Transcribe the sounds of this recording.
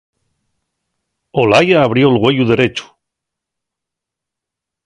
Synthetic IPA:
olajaːβ̞ɾjo̞lɣwe̞juðe̞ɾe̞t͡ʃu̥

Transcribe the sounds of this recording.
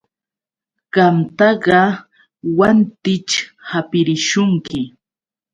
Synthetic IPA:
ɢɑmt̪ɑɢɑ | want̪ɪt͡ʃhapɪɾɪʃʊŋkɪ

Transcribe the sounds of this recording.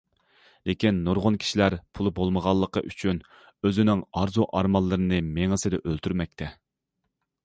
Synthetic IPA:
lekʲinːoɾʁʊnkʲʰi̥ʃilæɾpʰulˠbolˠməʁɑlˠːəqʰə̰ʔyt͡ʃʰyn | øzɪnɪŋɑɾzuʔɑɾmɑlˠːɨɾɨnɨmeŋəsɨd̪ɛʔølt̪ʰyɾmɛk̚ʲt̪ʰɛ

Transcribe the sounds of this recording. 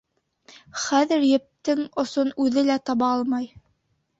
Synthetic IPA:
χæðɘ̆ɾjɘ̆p̚t̪ɘŋŏsonʉðɘlæt̪ɑβɑɑlˠmɑj

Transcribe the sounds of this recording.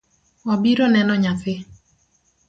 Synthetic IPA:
ɔbiɾonɛnɔɲaθɪ

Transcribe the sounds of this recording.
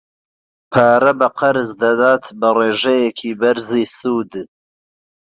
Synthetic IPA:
pʰaːɾɐbɐqɐɾɨzd̪ɐd̪aːt̪bɨreːʒɛjɛkʰiːbɐɾziːsuːd̪

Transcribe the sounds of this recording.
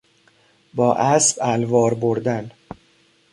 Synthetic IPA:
bɒːʔæsbælvɒːɾboɾd̪æn

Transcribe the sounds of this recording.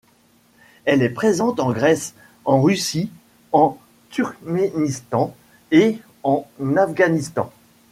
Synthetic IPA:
ɛlɛpχezɑ̃t̪ɑ̃ɡʁɛs | ɑ̃ʁysi | ɑ̃ | t̪yʁkmenist̪ɑ̃ | e | ɑ̃nafɡanist̪ɑ̰̃

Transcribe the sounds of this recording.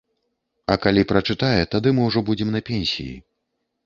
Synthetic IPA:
ɐkalʲipɾɐt͡ʂɨt̪ajɛt̪ad̪ɨmɨwʐɔbud͡zʲɛmnɐpʲɛnʲsʲḭjḭ

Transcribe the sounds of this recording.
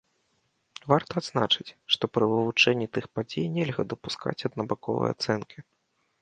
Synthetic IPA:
vart̪ɐːd̪znat͡ʂɨt͡sʲʂt̪ɔpɾɨvɨvut͡ʂɛnʲːit̪ɨxpad͡zʲejnʲɛlʲɣɐd̪ɐpuska̰t͡sʲɐd̪nɐbakɔvɐ̰ja̰t̪sɛnkʲi

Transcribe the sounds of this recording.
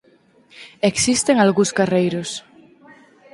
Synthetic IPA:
eksist̪eŋalɣuskarejɾʊs

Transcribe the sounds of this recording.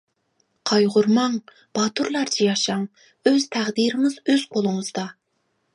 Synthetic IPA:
qʰɑjʁʊɾmɑŋ | b̥ɑt̪uɾlˠɑɾd͡ʒʰijɑʃɑŋ | øz̥t̪ʰæʁd̪iɾɪŋɨzøz̥qʰolˠʊŋəz̥d̪ɑ

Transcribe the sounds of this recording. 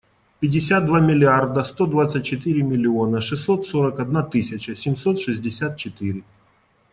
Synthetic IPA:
pʲɪdʲːɪsʲat̪̚d̪vamʲɪlʲɪard̪əst̪o̞d̪vat̪sɨt̚ʲt͡ɕːɪt̪ɨɾʲɪmʲɪlʲɪonəʂɨsːo̞t̪soɾəkɐd̪nat̪ɨsʲɪt͡ɕəsʲɪmʲso̞t̪ʂɨzʲdʲɪsʲat̪̚t͡ɕɪt̪ɨɾʲɪ

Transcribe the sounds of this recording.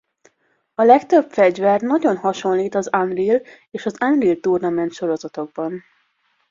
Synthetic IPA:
ɒlɛkt̪øbfɛɟvɛrnɒɟo̞nɦɒʃo̞nliːt̪ɒzanril | eːʃɒzanrilt̪urnɒmɛnt̪ʃo̞ɾo̞zɒt̪o̞ɡ̚bɒn

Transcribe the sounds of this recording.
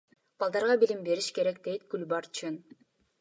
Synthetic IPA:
b̥ɑlˠd̪ɑɾʁɑbilʲimbe̞ɾiʃke̞ɾekd̪e̞jt̪ɡ̥ylbɑɾt͡ʃʰɯn

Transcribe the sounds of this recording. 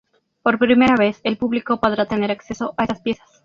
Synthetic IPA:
po̞ɾpɾime̞ɾaβe̞se̞lpuβliko̞po̞ðɾat̪e̞ne̞ɾakse̞so̞ʔaesaspje̞sḁs

